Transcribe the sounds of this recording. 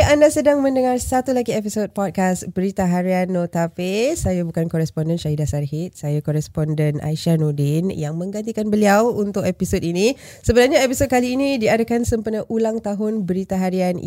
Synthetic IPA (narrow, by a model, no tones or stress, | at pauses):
andasədaŋmə̃ndəŋarsat̪ulaɡiɛpisot̚pɔt̚kasbəɾit̪aɦaɾianːot̪afesajabukankɔɾɛspɔndɛnʃaɦidasarɦit̪̚sajakɔɾɛspɔndɛnʔa̰jʃanodɪnjaŋmə̃ŋɡant̪ikanbəliawunt̪ʊkɛpisot̚inĩ | səbənarɲaɛpisot̚kaliːnidiadakansəmpənəʔulaŋt̪aɦʊnbəɾit̪aɦaɾian